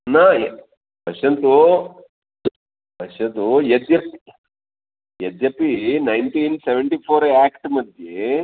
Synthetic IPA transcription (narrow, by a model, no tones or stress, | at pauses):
na | bʱɐʂɐnt̪u | pɐʂɐnt̪ujed̪jɐpi | jed̪jɐpːinɐjnt̪iːnseʋeɳʈipʰoːɾaːkʈmɐd̪ʱje